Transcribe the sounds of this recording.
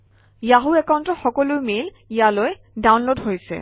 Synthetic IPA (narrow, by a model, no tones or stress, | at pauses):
jaɦuɛkawntɔxɔkɔlujmel | ijaloj | dawnlodɦojsɛ̰